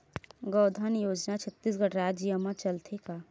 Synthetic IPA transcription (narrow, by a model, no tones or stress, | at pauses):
ɡəːd̪ʱanjoːd͡ʒnat͡ʃʰət̪ːis̬ɡəɽɾaːd͡ʒijəmat͡ʃəlt̪ʰeka